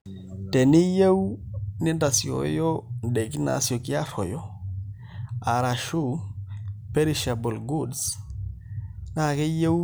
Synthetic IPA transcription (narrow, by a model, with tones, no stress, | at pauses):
tɛ˨ni˦je˦wnɪ˦nda˨si˨o̰˨˦jo˦nɗe˨ki˦na̰˨sjo˨ki˦a˦fo˨jɔ˦ | a˨ɾa˨ʃu˦ | pe˦ɾi˦˨ʃa˨bo˨lɡu˦ds | na˦˨kɛ˦je˦w